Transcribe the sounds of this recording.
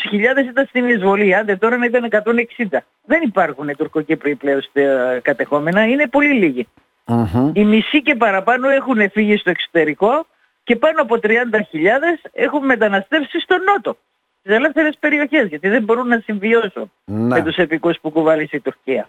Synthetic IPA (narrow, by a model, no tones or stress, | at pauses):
sçiʎɐðe̞sit̪ɐnst̪inizvo̞liɐnd̪et̪o̞ɾɐnɐit̪ɐne̞kɐt̪o̞ne̞ksind̪ɐ | ðe̞nipɐɾxunet̪uɾkocepɾipleost̪ekɐt̪e̞xo̞me̞nɐine̞po̞liliʝi | imisice̞pɐɾɐpɐno̞e̞xune̞fiʝist̪o̞ekso̥t̪e̞ɾiko̞ | ce̞pɐnoɐpo̞t̪ɾiɐnd̪ɐçiʎɐðe̞se̞̰xumme̞t̪ɐnɐst̪e̞fsist̪o̞no̞t̪o̞ | st̪isele̞fθe̞ɾe̞spe̞ɾio̞çe̞zʝɐt̪iðe̞mbo̞ɾunːɐsiɱvio̞sṵn | met̪use̞pikuspukuvɐlisit̪uɾciɐ